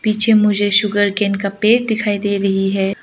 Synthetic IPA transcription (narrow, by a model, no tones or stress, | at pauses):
piːt͡ʃʰemʊd͡ʒʱeʃʊɡəɾkenkapeːʈd̪ɪkʰaːid̪eːɾɐɦiɦɛː